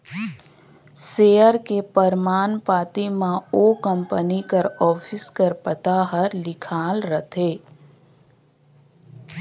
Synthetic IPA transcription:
seːjəɾkepəɾmaːnpaːt̪imãoːkə̃mpənikəɾɔːpʰɪskəɾpət̪aɦəɾlɪkʰaːlɾət̪ʰeː

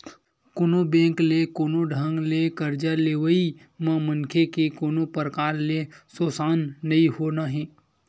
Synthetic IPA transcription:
konobẽːŋklekoːnoɖʱə̃ŋɡlekəɾd͡ʒaleːʋəi | mɐ̃mənkʰekekoːnopəɾkaːɾlesoːsaːnːɐiɦoːnaɦɛ̃ː

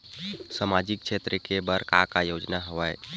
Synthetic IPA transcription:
səmad͡ʒik̚t͡ʃʰet̪ɾəkebəɾkakajod͡ʒnaɦəʋaj

